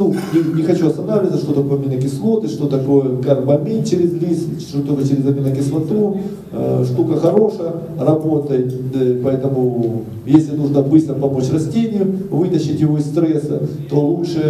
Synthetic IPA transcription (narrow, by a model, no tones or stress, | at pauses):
nunʲɪnʲɪxɐt͡ɕuɐst̪ɐnavlʲɪt̪əʂt̪o̞t̪ɐko̞jɐmʲinəkʲɪslˠo̞t̪ɨʂt̪o̞t̪ɐko̞jəkaɾbɐmʲit͡ɕɪɾʲɪzlʲis | ot̪olʲkət͡ɕɪɾʲɪzɐmʲinəkʲɪslˠɐt̪u | ʂt̪ukəxɐɾo̞ʂəjə | rɐbo̞t̪əjɪt̪ʲpɐɛt̪əmʊ | jesʲlʲɪnuʐnəbɨst̪ɾəpɐmo̞t͡ɕrɐsʲtʲenʲɪjʊvɨt̪əɕːɪtʲjɪvo̞ɪst̪ɾɛsɐt̪o̞lˠutʂɨ